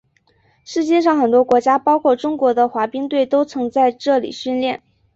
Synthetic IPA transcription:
ʂɻ̩˥˧t͡ɕjɛ˥˧ʂ̬ɑ˥˩ŋxə˨˩nt̪̬wɔ˥kwɔ˧˥t͡ɕja˥pɑ˥ʊkʰwɔ˥˩ʈ͡ʂʊ˥ŋkwɔ˧˥d̪ə˧xwa˧˥pi˥ŋt̪we˥˩ɪt̪o˥ʊt͡sʰɤ˧˥ŋt͡sa˥˧ɪʈ͡ʂɤ˥˩lḭ˨˩ɕy˥˧nljɛ˥˩n

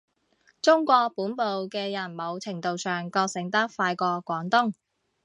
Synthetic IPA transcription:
t͡sʊ˥ŋkʷɔː˧k̚puː˨˥npo˨wkɛː˧jɐ˨˩nmo˨˧wt͡sʰɪ˨˩ŋt̪o˨wsœː˨˩ŋkɔː˧k̚sɪ˨˩ŋt̪ɐ˥k̚faː˧jkɔː˧kʷɔː˨˥ŋt̪ʊ˥ŋ

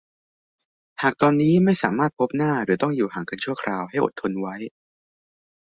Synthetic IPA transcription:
haː˨˩k̚t̪ɔː˧nːiː˦˥ma˥˩jsaː˩˦maː˥˩t̪̚pʰo˦˥p̚naː˥˩ɾɯː˩˦t̪ɔ˥˩ŋjuː˨˩haː˨˩ŋka˧nt͡ɕʰu˥˩ɐkʰɾaː˧wɦa˥˩jʔo̰˨˩t̪ʰːo˧nwa˦˥j

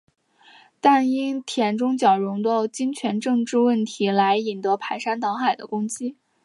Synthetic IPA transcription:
t̪a˥˩ni˥nt̪ʰjɛ˧˥nʈ͡ʂʊ˥ŋt͡ɕjɑ˨˩ʊɻʊ˧˥ŋd̪ə˥˧ʊt͡ɕi˥ŋt͡ɕʰɥɛ˧˥nʈ͡ʂɤ˥˧ŋʈ͡ʂɻ̩˥˧wə˥˩nt̪ʰi˧˥la˧˥ɪi˨˩nt̪ɤ˧˥pʰa˧˥ɪʂa˥nt̪ɑ˧˥ŋxa˨˩ɪd̪ə̰˦kʊ˥ŋt͡ɕi˥

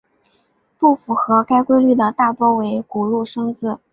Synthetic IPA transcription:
pu˥˩fu˨˩xɤ˧˥ka˥ɪkwe˥ɪly˥˩d̪ə˩t̪a˥˩t̪wɔ˥we˧˥ɪku˨˩ɻu˥˩ʂɤ˥ŋt͡sɹ̩˥˩

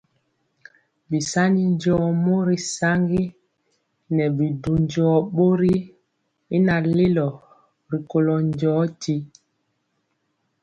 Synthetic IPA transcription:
bi˨sa˦ni˦n˦d͡ʒɔː˦mo˦ɾi˨sa˦ŋɡi˦ | nɛ˨bi˨du˨n˦d͡ʒɔ˦ɓo˦ɾi˦ | i˦na˨le˦lɔ˨ | ɾi˨ko˨lɔ˨n˦d͡ʒɔː˨˦ti˦

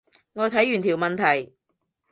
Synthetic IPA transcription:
ŋɔː˨˧t̪ʰɐ˨˥jyː˨˩nt̪ʰiː˨˩wmɐ˨nt̪ʰɐ˨˩j

